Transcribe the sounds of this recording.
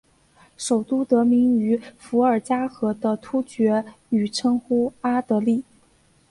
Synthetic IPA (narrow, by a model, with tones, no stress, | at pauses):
ʂo˨˩ʊt̪u˥t̪ɤ˧˥mi˧˥ŋy˧˥fu˧˥ə˞˨˩t͡ɕja˥xɤ˧˥d̪ə˧t̪ʰu˥t͡ɕɥɛ˧˥ | y˨˩ʈ͡ʂʰɤ˥ŋxu˥a˥t̪ɤ˧˥li˥˩